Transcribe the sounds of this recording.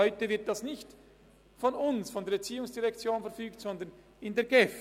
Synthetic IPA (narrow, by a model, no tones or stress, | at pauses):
ɔʏtəvɪɐt̚d̥asnɪçt | fɔnʊnsfɔndeːɐbt͡siːʊŋsd̥iʁɛkt͡sjoːnfɛɐfyːktsɔnd̪ɐn | ɪndeːɐɡ̥ɛf